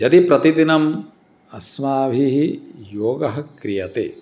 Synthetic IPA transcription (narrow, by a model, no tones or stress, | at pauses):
d͡ʒɐt̪ipɾɐt̪id̪inɐm | ɐsmaːbʱiɦijoːɡɐɦɐkɾijɐt̪ḛː